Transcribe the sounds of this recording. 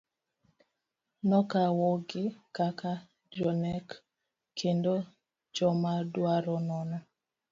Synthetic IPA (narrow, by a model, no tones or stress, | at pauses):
nɔkawɔɡɪkaka | d͡ʒɔnɛk | kʰendo | d͡ʒɔmadwaɾɔnɔnɔ